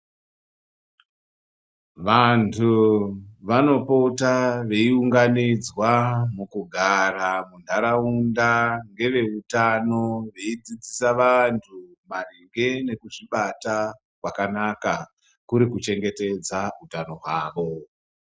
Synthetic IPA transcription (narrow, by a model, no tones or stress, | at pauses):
ʋantʰu | ʋano̞potaʋe̞iuŋɡanid͡zwamukuɡʱaɾamundʱaɾaundaŋɡe̞ʋe̞utano̞ʋe̞id͡zid͡zisaʋantʰu | mariŋɡe̞ne̞kuʐiɓata | kwakanaka | kuɾikut͡ʃe̞ŋɡe̞te̞d͡zautano̞ɦwaːʋo̞